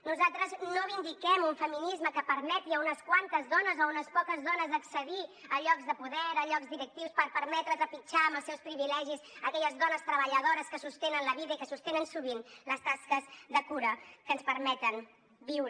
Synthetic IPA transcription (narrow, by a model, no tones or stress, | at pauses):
nuzalˠt̪ɾəznoβind̪ikɛmuɱfəminizməkəpəɾmɛt̪iəunəskwant̪əzðɔnəzounəspɔkəzðɔnəzðəksəðiəʎɔɡzðəpuðɛɾəʎɔɡzd̪iɾək̚t̪iwspəɾpəɾmɛt̪ɾəzəpit͡ʃaəməlˠsɛwspɾiβilɛʒizəkɛʎəzðɔnəst̪ɾəβəʎəðoɾəskəsust̪enənləβiðəikəsust̪enənsuβinləst̪askəsðəkuɾəkənspəɾmɛt̪ən | biwɾ